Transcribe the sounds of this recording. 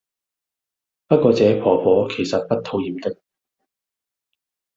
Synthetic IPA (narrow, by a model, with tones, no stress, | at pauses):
pɐ˥t̚kʷɔː˧t͡sɛː˨˧pʰɔː˨˩pʰɔː˨˥kʰe˨˩jsɐ˨t̚pɐ˥t̚t̪ʰo˧wjiː˨˧mt̪ɪ˥k̚